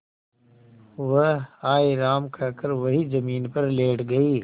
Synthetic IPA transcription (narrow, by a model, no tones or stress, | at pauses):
ʋɐaːiɾaːmkʰɐkəɾʋɐɦizɐmiːnpɐɾleːʈɡɐiː